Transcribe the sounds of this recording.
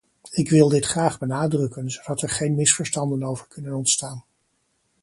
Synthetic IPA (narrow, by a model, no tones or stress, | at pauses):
ɪkʋɪlˠdɪtχraːχbənaːdrɵkənzowdɑtɛɹχejnmɪsfəɹstɑndənowvəɹkʰɵnənɔntstaːn